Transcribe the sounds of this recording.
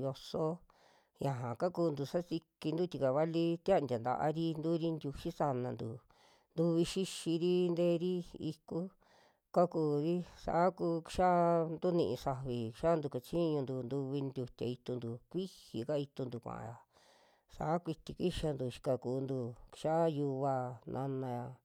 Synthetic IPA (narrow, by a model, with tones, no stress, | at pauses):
jo˧so˦ | jã˨ɦã˨ka˦kuː˧nd̪u˧˨sa˦si˧ki˧nd̪u˦t̪ʲi˧ka˨βa˦li˦t̪a˦˧ndʲa˨nd̪a̰˧ʔa̰˧ɾi˦nd̪u˦ɾi˦nd̪ʲu˧ʃi˦sa˧nã˧nd̪u˨ | nd̪u˧βi˧ʃi˦ʃi˧ɾi˦nd̪eː˦ɾi˦i˧ku˦ | ka˦kuː˧ɾi˦sa̰˨ʔkuː˧ki̥˧ʃa˦˧nd̪u˦nĩ˧ʔĩ˧sa˧βi˨kʃa˦nd̪u˧ka˧t͡ʃi˦ɲũ˧nd̪u˧nd̪u˧βi˧nd̪ʲu˧t̪ʲa̰˨i˧t̪u˧nd̪u˨kʷi˦hi˨ka˦i˧t̪u˧nd̪u˧˨kʷã̰˨ʔã̰˧˨ja˨ | sa̰˨˦kʷi˧t̪i˧kʷi˦ʃa˧nd̪u˨˧ʃi̥˧ka˧kuː˧nd̪u˧ki̥˧ʃa˦˧ju˧βa˧nʔã̰˧nã˧ja˧